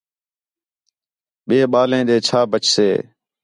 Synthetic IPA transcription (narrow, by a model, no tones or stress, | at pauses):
ɓeːɓaːlẽːɗ̪eːt͡ʃʰaːbət͡ʃʰsḛː